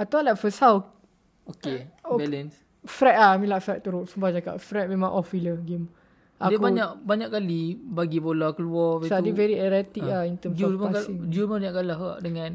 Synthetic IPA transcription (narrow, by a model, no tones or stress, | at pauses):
at̪aalakfəsaw | okeobɛlɛns | fɾɛt̪̚amĩlaʔfɾɛʔ̚t̪uɾoʔsumbad͡ʒaka̰ʔfɾɛt̪̚mẽmãŋʔɔfiləɡim | ʔadəbaɲaʔbaɲaʔkkalibaɡibolakəluɔvt̪adivɛɾiɛɾɛt̪ikaint̪əmsuɔpaaiŋd͡ʒumaaɲaʔkalaɦɡaʔdəŋãn